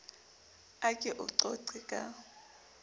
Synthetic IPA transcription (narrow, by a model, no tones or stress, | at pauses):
akʼɛʔʊǀɔǀɪkʼa